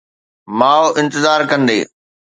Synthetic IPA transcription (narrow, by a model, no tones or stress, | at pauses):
maːoʔɪ̃nt̪ɪzaːɾkɐ̃nd̪ḛː